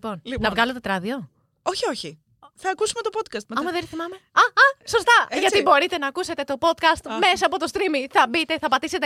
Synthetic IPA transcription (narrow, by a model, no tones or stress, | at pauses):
lipo̞nlinɐvɣɐlot̪e̞t̪ɾɐðio̞ | o̞çioçi | θɐːkusumet̪o̞pot̪̚kɐst̪mɐɐmɐðenɾθimɐme̞ɐɐso̞st̪ɐʝɐt̪ibo̞ɾit̪e̞nɐːkuse̞t̪e̞t̪o̞po̞t̪kɐst̪me̞sɐːpot̪o̞st̪ɾimiθɐbit̪e̞θɐpɐt̪ise̞t̪e